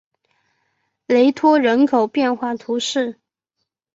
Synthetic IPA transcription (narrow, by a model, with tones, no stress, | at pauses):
le˧˥ɪt̪ʰwɔ˥ɻə˧˥nkʰo˨˩ʊpjɛ˥˧nxwa˥˩t̪ʰu˧˥ʂɻ̩˥˩